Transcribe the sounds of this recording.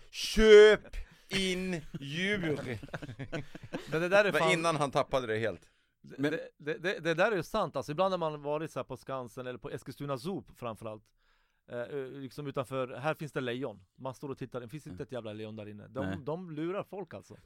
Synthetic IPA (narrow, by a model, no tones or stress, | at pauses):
ɕøːp | ɪnːjʉb | mɛnd̪ɛd̪æːɾɛaɪnːanɦant̪ʰapːad̪əd̪ɛheːlt̪ | d̪ɛd̪ɛd̪ɛd̪ɛd̪ɛd̪æːɾæɾjɵsant̪alsɔɪb̪and̪haɾmanvɑːɾɪt̪sæːɾpʰɔskansənɛlːɾpʰɔɛskəst̪ʉːnas̬uːpfɾamfœɾalt̪ | lɪksɔmʉ̟ːt̪anfœːɾɦæːɾfɪnsd̪ɛlɛjɔnmanst̪oːɾɔt̪ʰɪt̪ːaɾɛfɪnsɪnt̪əɛt̪jæːvlalɛjːɔnd̪æːɾɪnːə̰d̪ɔd̪ɔmlʉ̟ːɾaɾfɔlkalsɔ̰